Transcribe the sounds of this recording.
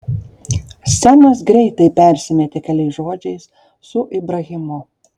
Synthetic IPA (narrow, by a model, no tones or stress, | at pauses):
sʲænɐsɡɾʲɛɪt̪ɐɪpʲɛˑɾʲsʲɪmʲɛt̪ʲekʲɛlʲɛɪsʒoːd͡ʒʲɛɪs | sʊʔɪbɾɐɣʲɪmʊ